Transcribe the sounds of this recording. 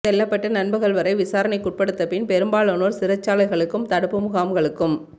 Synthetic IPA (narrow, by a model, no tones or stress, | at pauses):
sɛlːɐpːɐʈːɐnɐnbɯɣɐɭʋɐɾɐɪʋɪsaːɾɐnɐɪkːʊʈ̚pɐɽɯt̪ːɐpɪnpɛɾɯmbaːɭɐnoːɾsɪɾɐt͡ʃːaːlɐɪɣɐɭɯkːɯmt̪ɐɽɯpːɯmʊɣaːmɡɐɭɯkːɯm